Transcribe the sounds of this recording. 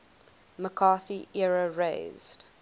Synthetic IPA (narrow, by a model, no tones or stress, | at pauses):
məkʰɑːθiʔɛɹəɹḛɪz̥d̥